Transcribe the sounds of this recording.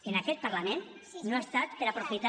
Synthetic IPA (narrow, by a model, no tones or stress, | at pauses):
enakɛt̪̚pəɾlamẽn | noast̪at̪peɾapɾufit̪a